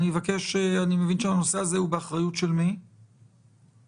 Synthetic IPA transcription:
nimevake̞ʃeanimevinʃeano̞seazehubeaχʁajutʃe̞lmi

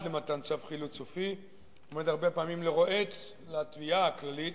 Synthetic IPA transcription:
dlemat̪ant͡safχilut͡sofi | omed̪aʁbepaːmimleʁoʔet̪ | leat̪viaaklalit̪

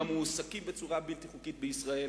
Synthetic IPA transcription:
amuːsakimbet͡suʁabilt̪iχukit̪̚beisʁae̞l

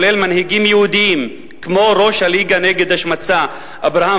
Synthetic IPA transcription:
lelmanhiɡimjeud̪iim | kmo̞ɾo̞ʃhaliɡaneɡe̞d̪aʃmat͡sa | ʔabʁaha

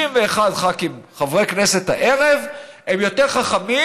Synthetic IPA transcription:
imveːχadχakimχavʁekneset̪ha̰ʔeʁev | emjo̞t̪eʁχaχami

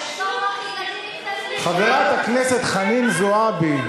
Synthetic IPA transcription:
χaveʁat̪hakneset̪χaninzoabi

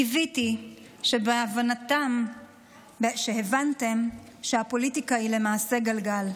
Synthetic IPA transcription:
iviti | ʃebeavanatam | ʃehevante̞m | ʃeapo̞litikaile̞maːse̞ɡalɡal

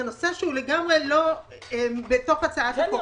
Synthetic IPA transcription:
ano̞seʃeuleɡamʁe̞lo̞ | embet̪o̞χat͡saat̪ako

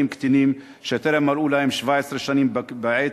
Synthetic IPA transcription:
imkt̪inim | ʃet̪eɾemːaɾʔulahemʃvaʕesɾeʃaniːmbaʕe

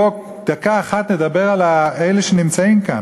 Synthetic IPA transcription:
ok | d̪̥akaːχat̪ned̪abeʁalaejleʃenimt͡saimka̰n

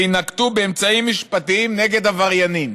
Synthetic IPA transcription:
inakt̪ubeːmt͡saimːiʃpat̪iimne̞ɡe̞d̪havaʁjanim

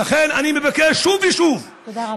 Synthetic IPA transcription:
aχenanimevakeʃʃuviʃuv

